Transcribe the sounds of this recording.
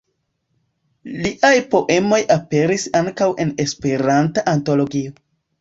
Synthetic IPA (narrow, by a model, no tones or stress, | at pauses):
liʔajpo̞ʔe̞mo̞jape̞ɾisaŋkawe̞ne̞spe̞ɾantaʔanto̞lo̞ɡio